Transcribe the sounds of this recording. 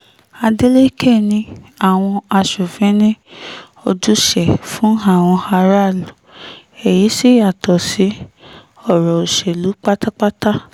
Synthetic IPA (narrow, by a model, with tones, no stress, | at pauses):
a˧de˦le˦ke˦˨nĩ˧a˨w̃ɔ̃˧a˧ʃo˨fɛ̃˨˦nẽ˦ | o˧d͡ʒu˦ʃɛ˨fũ˨˦ɦa˦˨w̃ɔ̃˧ha˧ɾa˦˨lu˨ | ɛ˨ji˨˦si˦a˨tɔ˨si˨˦ | ɔ˦˨ɾɔ˨o˨ʃe˨lu˨˦k͡pa˦ta˦k͡pa˦ta˦